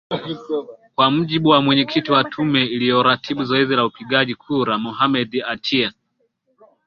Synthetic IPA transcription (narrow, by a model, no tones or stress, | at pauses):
kwam̩ʄiɓuwamwɛɲɛkʰitiwatʰumɛilijɔɾatʰiɓuzɔɛzilaupiɠaʄikʰuɾamɔɦamɛdatʰia